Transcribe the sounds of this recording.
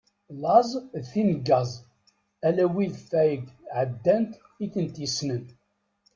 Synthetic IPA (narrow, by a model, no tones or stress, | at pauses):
lɑzˤðθinɡɑzˤ | ælæwiðθæjəɡʕəd̪ːænt̪ | iθənt̪isnən